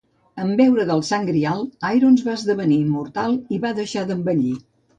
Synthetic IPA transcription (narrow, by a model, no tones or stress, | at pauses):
əmbɛwɾəðəlˠsaŋɡɾialˠajɾonzβaəzðəβəniːmːuɾt̪alˠiβaðəʃaðəmbəʎi